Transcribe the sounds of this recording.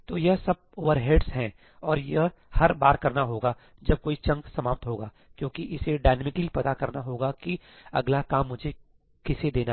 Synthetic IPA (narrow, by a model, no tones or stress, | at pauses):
t̪oːjɐɦsɐb̚ | oːʋəɾɦeːɖsɦɛ̃ | ɔːɾjɐɦ | hɐɾbaːɾkɐɾnaɦoːɡa | d͡ʒɐb̚koːit͡ʃɐ̃ŋɡsɐmaːp̚t̪ɦoːɡaː | kjõːkiʔɪseɖaːɪnəmɪkəlipɐt̪akɐɾnaɦoːɡakiɐ̰ɡlakaːmːʊd͡ʒʱe | kɪsed̪eːna